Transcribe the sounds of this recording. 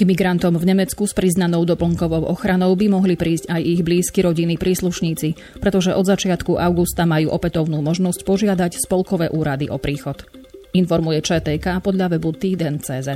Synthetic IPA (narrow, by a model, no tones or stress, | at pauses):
ɡmiɡɾant̪ɔmvɲɛmɛt͡skuspɾiznanɔʊd̪ɔpl̩ŋkɔʋɔʊʔɔxɾanɔʊbimɔɦlipɾiːscajiɣbliːskiɾɔɟinipɾʔiːsluʃɲiːt͡si | pɾɛt̪ɔʒɛʔɔd̪zat͡ʃɪat̪kuʔaʊɡust̪amajuːʔɔpɛt̪ɔʊnuːmɔʒnɔscpɔʒɪad̪acspɔlkɔʋɛːʔuːɾad̪iʔɔpɾiːxɔt̪ | infɔɾmujɛt͡ʃɛːt̪ɛːkaːpɔd̪ʎaʋɛbut̪iːd̪ɛnt͡sɛːzɛ